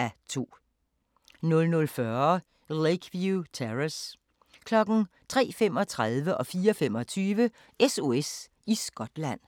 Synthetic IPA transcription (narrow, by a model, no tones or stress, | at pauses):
æt͡sʰo̝̰ː | nɔ̽lnɔ̽lfɶɐ | leɪkʰʋjut͡sʰeʁes | kʰlɒ̽ɡ̥n̩t͡sʰʁɛ̰ːfem̰ɒ̽t͡sʰʁaðˠʋəʔɒ̽fiːɐɒfem̰ɒ̽t͡sʰyːʋə | eso̝es | isɡ̥ɒ̽d̥læn̰